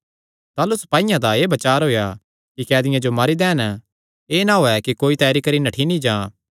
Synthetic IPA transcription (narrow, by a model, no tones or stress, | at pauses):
t̪aːlusɐ̥paːɪjãd̪aeːbɐt͡ʃaːɾɦoːja | kikɛːd̪ɪjãd͡ʒomaɾid̪ɛ̃ːn | eːnãɦoːɛkikoːit̪ɛːɾikɐɾinɐʈʰinĩd͡ʒãː